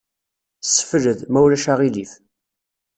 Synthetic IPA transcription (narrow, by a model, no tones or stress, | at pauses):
sːə̥fləðmæwlæʃaʁilif